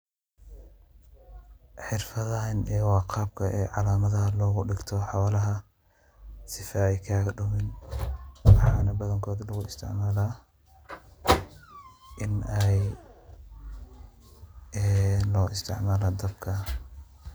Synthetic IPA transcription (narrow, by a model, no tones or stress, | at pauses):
ħɪrfɐðɐnʔɛːwɑːqɑːbkʰɐʔɛːʕɑ̰laːmɐðɐɦɐlɔːɣʊɖɪɡt̪ʰɔħɑwalɐɦɐ | sɪfɐɛjkʰaːɣɖʊmɪn | wɑħɑːnɐbɐðɐŋkʰɔːðlɐɣʊɪst̪ʰɪ̰ʕmaːlaː | ʔɪnɛj | ɛːlɔːʔɪst̪ʰɪ̰ʕmaːlaːd̪ɐbkʰɐ